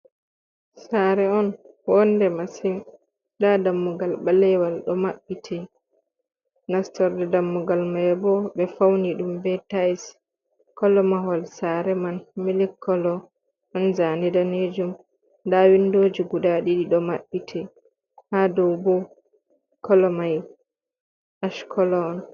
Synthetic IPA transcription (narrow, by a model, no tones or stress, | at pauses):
saːɾɛɔn | wɔndɛmasim | dadamːuɡalɓalɛwalɗɔmaɓːitʰɛ | nastɔɾdɛdamːuɡalmajbɔɓɛfawniɗumbɛtajs | kɔlɔmahɔlsaɾɛmanmilikʰːɔlɔ | ʔɔnzanɛdaned͡ʒum | dawindoːd͡ʒiɡudaɗiɗiɗɔmaɓːitʰɛ | hadɔwbɔ | kɔlɔmaj | ʔaʃkʰɔlɔːn